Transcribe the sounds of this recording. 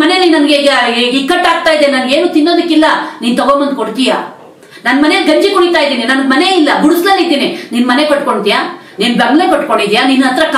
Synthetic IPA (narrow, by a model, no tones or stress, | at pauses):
ɐne̞ninɐnɐɡeɡikːɐʈːaːɡ̚t̪aːjid̪enɐnɡe̞ːnuːt̪inːoːd̪ɐkːilːɐniːnt̪ɐɡombɐnd̪̚koɽt̪ija̰ː | nɐnːmɐnenɡɐɲd͡ʒikuɽit̪aːjd̪iːninɐnɐɡmɐne̞ilːɐɡuɽuslanid̪iːnininmɐne̞kɐʈkoɳɖid̪ijaː | ninbɐmlepɐʈkoɳɖid̪ijaːninɐt̪ɾɐk